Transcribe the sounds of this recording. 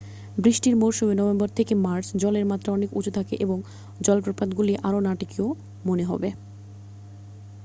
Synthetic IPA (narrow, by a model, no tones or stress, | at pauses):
bɾiʃʈiɾmowɾʃumenɔbembɔɾt̪ʰekemaɾsd͡ʑɔleɾmat̪ːɾaɔnekṵt͡ɕʰut̪ʰakḛʔeboŋ | d͡ʑɔlpɾopad̪ɡuliʔaɾonaʈikio | moneɦɔ̰be